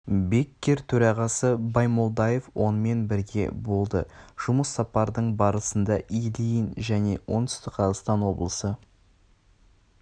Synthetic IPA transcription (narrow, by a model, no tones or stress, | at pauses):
be̞kʲːe̞ɾt̪ʰɵɾɑʁɑsəbɑjmolˠd̪ɑje̞fwo̞nəme̞nbɪɾɡʲe̞̰bo̞lˠd̪ə̰ʒ̥ʊməsːɑpɑɾd̪əɴbɑɾəsənd̪ɑʔijlijənʒæne̞wʔo̞̰nt̪ʏ̥st̪ɪqqʰɑzəʁst̪ɑnwo̞bəlˠəsə